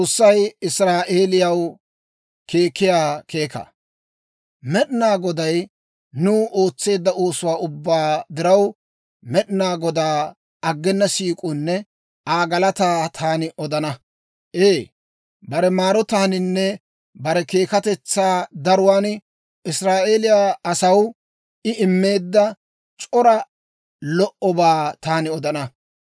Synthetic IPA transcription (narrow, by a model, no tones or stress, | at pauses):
t͡sʼoːsːɐjɪsɾaːʔe̞ːlɪjɐw | kʰe̞ːkːɪjaːkʰe̞ːkɐ̰ | mɛɗɪnaːɡɔd̪ɐj | nʊːʔo̞ːt͡sːe̞ːd̪ːɐʔo̞ːsʊwaːʊbːaːd̪ɪɾɐw | mɛɗɪnaːɡɔd̪aː | ɐɡːɛnːɐsiːkʼʊnːɛ | ʔaːɡɐlɐt̪aːt̪ʰaːnɪʔɔd̪ɐnɐ | ʔeː | bɐɾɛmaːɾɔt̪aːnɪnːɛ | bɐɾɛke̞ːkɐt̪ɛt͡sːaːd̪ɐɾʊwaːn | ɪsɾaːʔeːlɪjaːɐsɐw | ɪɪmːe̞ːd̪ːɐ | t͡ʃʼɔɾɐ | lɔʔɔbaːt̪aːnɪɔd̪ɐnɐ